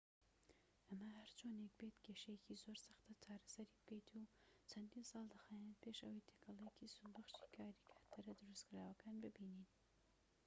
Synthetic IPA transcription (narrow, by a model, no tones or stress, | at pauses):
ʔɐmɐhɐɾt͡ʃʰonek̚bet̪keʃɐjecizoɾsɐ̥xt̪ɐt͡ʃʰaːɾɐsɐɾibɨɡɐjt̪ʰut͡ʃʰɐnd̪iːnsɑːlˠd̪ɐxaːjnt̪pʰeʃɐwɐjt̪ʰekʰɐlˠejecisubɐxʃi̥ːkʰaːɾikʰḁːt̪ʰɨɾɐd̪ɨɾɨskɨɾaːwɐkʰaːnbɨbiːnin